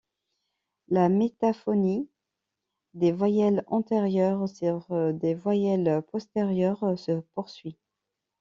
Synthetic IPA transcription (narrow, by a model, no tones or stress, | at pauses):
lamet̪afɔni | d̪evwajɛlɑ̃t̪eʁjœʁsyʁd̪evwajɛlpɔst̪eʁjœʁsəpuʁsɥi